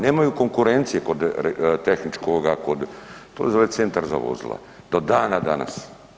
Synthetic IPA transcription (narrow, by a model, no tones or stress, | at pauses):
neːmajukoŋkuɾent̪sijeko̞d̪t̪exnit͡ʃkoɡakod̪t̪oizolet̪sent̪aɾza̰ʋo̰zḭlˠa̰ | d̪̥o̞d̪aːnad̪ana̰s